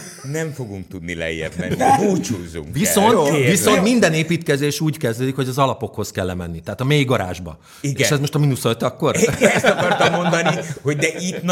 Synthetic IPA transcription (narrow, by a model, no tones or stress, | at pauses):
nɛɱfo̞ɡuŋk̚t̪ud̪nilɛ̰jːɛ̰bmɛ̰nbuːt͡ʃuːzṵviso̞nt̪viso̞nt̪mind̪ɛneːpiːt̪kɛzeːʃuːɟkɛzd̪øːd̪ikho̞ɟɒzɒlɒpo̞kho̞skɛlːɛmɛnːit̪ɛːt̪ɒmeːiɡɒɾa̰ːʒbɒ̰ | iɡeɛʃɛzmo̞ʃt̪ɒminusøt̪ɒkːo̞rɛst̪ɒkɒrt̪ɒmːo̞nd̪ɒniho̞ɟd̪ɛʔit̪n